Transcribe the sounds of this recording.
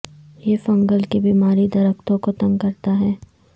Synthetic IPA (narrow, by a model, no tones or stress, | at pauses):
jeːfɐ̃ŋɡəlkebiːmaːɾid̪ɐɾəkt̪õkot̪ɐ̃ŋɡkɐɾt̪aɦɛː